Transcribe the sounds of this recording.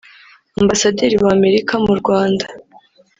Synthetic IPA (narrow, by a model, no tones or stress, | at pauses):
ambasadiɾiwame̞ɾikamuɾɡwaːndḁ